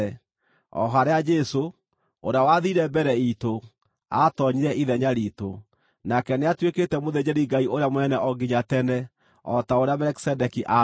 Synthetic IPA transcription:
ɔ̰ɦaɾead͡ʒɛso | oɾeawaðiɾɛbɛɾɛito | a̰tɔɲiɾɛʔiðɛɲaɾiːto | nakɛneatweketɛmoðed͡ʑeɾiɡaioɾejamwɛnɛʔɔɡiɲatɛnɛ | ɔtaoɾeamɛɾɛki̥sɛdɛkiʔa

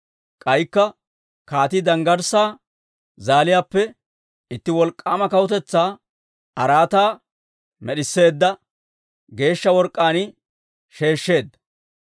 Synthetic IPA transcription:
kʼɐjkːɐ | kaːt̪ɪd̪ɐŋɡɐɾsaː | zaːlɪjaːpːɛ | ɪt̪ːɪwɔlkʼːaːmɐkɐwʊt̪ɛt͡sːaː | ɐɾaːt̪aː | mɛɗɪsːe̞ːd̪ːɐ | ɡe̞ːʃːɐwɔɾkʼːaːnɪ | ʃe̞ːʃːe̞ːd̪ːɐ

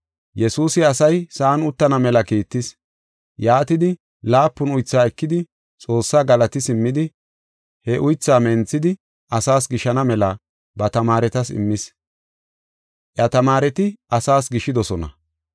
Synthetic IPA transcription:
jɛsuːsɪɐsɐjsaːnʊt̪ːɐnɐmɛlɐkiːt̪ːɪs | jaːt̪ɪd̪ɪ | laːpːʊnʊjt͡sːaːɛkːɪd̪ɪ | t͡sʼo̞ːsːaːɡɐlɐt̪ɪsɪmːɪd̪ɪ | hɛʔʊjt͡sːaːmɛnt͡sːɪd̪ɪ | ʔɐsaːsɡɪʃɐnɐmɛlɐ | bɐt̪ɐmaːɾɛt̪ɐsɪ̰mːɪs | ʔjɐt̪ɐmaːɾɛt̪ɪʔɐsaːsɡɪʃːɪd̪ɔsɔnɐ̰

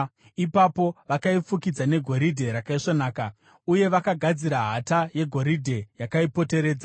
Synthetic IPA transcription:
ipapo̞ʋakaifukid͡zane̞ɡʱo̞ɾidʱe̞ɾakaiʂonaːka | uje̞ʋakaɡʱad͡ziɾaɦataje̞ɡʱo̞ɾidʱe̞jakaipo̞te̞ɾe̞ːd͡za

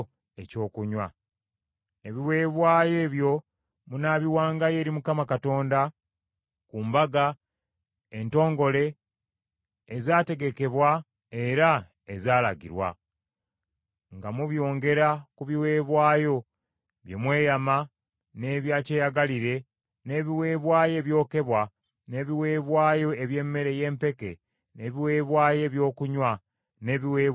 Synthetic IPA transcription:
eco̞ːkuɲwa | e̞βiwe̞ːβwaːje̞ːβjo̞ | munaβiwaːŋɡaje̞ɾimukamakato̞ːnda | kuːmbaɡa | ento̞ːŋɡo̞le̞ | zaːte̞ɡe̞ke̞βwa | eɾa | ezaːlaɡḭɾwa̰ | ŋɡamuβjo̞ːŋɡe̞ɾakuβiwe̞ːβwaːjo̞ | βjemwe̞ːjama | ne̞βjaːceːjaɡaliɾe̞ | ne̞ːβiwe̞ːβwaːje̞βjo̞ːke̞βwa | ne̞ːβiwe̞ːβwaːjo̞eβje̞ːmːe̞ɾe̞je̞ːmpe̞ke̞ | ne̞ːβiwe̞ːβwaːje̞ːβjo̞ːkuɲwa | ne̞ːβiweː

